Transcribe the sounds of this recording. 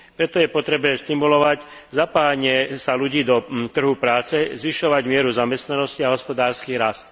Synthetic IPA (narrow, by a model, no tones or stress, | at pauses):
pɾɛt̪ɔjɛpɔt̪ɾɛbnɛst̪imulɔʋac | zapaːaɲɪɛsaluɟiːd̪ɔt̪r̩ɦupɾaːt͡sɛzʋiʃɔʋaɟmɪɛɾuzamɛst̪nanɔsciaɦɔspɔd̪aːɾskiːɾast̪̚